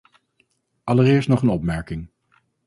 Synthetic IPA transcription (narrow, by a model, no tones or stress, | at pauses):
ʔɑlərɪːɹstnɔχənɔpmɛɹkɪŋ